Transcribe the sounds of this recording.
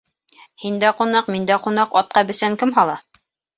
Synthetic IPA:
hind̪æqunɑqmind̪æqunɑqɑt̪̚qɑbɘ̆sæŋkɘmɦɑlˠɑ

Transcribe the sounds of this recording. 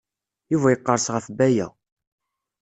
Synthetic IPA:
juvæjəqːəɾˤsʁəfbæjæ̰

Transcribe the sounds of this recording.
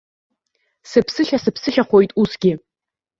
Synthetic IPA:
sɨpʰsɨɬʲasɨpʰsɨɬʲaχʷojtʼusɡʲɪ

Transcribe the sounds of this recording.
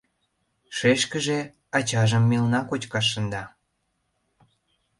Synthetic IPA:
ʃeʃkəʒe | ɑt͡ɕɑʒəmːilnɑkot͡ɕkɑʃ̬ːə̆nd̪ɑ

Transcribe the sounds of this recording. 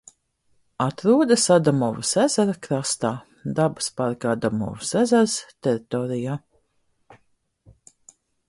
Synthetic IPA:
at̪ɾuːd̪asad̪amɔvusæzaɾakɾast̪aː | d̪abɨ̥spaɾkaad̪amɔ̰vusæzæɾst̪ɛɾit̪ɔːɾijaː

